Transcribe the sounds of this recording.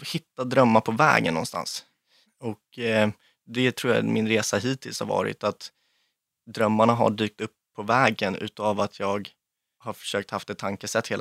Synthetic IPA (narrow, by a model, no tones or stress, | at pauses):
hɪt̪ːad̪ɾœmːaɾpʰɔvɛ̰ːɡənːɔ̰nst̪a̰ns | ɔk | d̪ɛt̪ʰɾuːja̰mɪnɾeːsaɦiːt̪ʰɪlshaɾvɑ̰ːɾɪ̰t̪at̪ | d̪ɾœmːaɳaɦa̰ɖyːk̚t̪ɵpʰːɔvɛːɡənʉ̟̰ːt̪avat̪ʰjɑːɡ | haɾfœ̥ʂøːkt̪haft̪ɛt̪ʰːaŋkəsɛt̪ːheːl